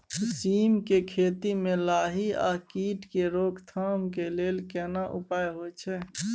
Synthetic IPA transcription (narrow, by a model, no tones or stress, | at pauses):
siːmkekʰeːt̪imẽlaːɦia̰ːkiːʈkeɾoːkʰt̪ʰaːmkeleːlkɛnaʔʊ̰paːjɦot͡ʃʰɛː